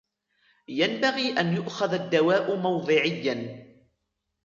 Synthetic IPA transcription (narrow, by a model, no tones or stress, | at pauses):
janbaɣiːʔanjʊʔxaðad̪ːawaːʔʊmɑwðˤɨʕɪjːan